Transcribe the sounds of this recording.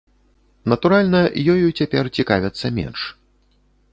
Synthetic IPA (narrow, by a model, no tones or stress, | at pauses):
nɐt̪uɾalʲnɐjɔjut͡sʲapʲɛrt͡sʲikavʲɛt̪sːɐmʲɛ̰nʂ